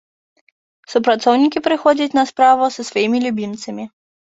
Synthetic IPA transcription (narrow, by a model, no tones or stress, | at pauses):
supɾat̪sɔwnʲikʲipɾɨxɔd͡zʲɐt͡sʲnɐspɾavʊsɐsvɔjimʲilʲubʲimt̪sɐmʲi